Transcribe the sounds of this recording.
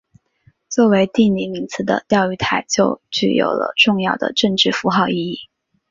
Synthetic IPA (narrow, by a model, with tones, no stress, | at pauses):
t͡swɔ˥˩we˧˥ɪt̪i˥˩ni˧˥mi˧˥ŋt͡sʰɹ̩˧˥˩d̪ə̰˧t̪jɑ˥˧ʊy˥˩t̪ʰa˨˩ɪt͡ɕjo˥˧ʊt͡ɕy˥˩jo̰˨˩ʊlə̰˧ʈ͡ʂʊ˥˧ŋjɑ˥˩ʊd̪ə̰˩ʈ͡ʂɤ˥˧ŋʈ͡ʂɻ̩˥˩fu˧˥xɑ˥˧ʊi˥˧i˥˩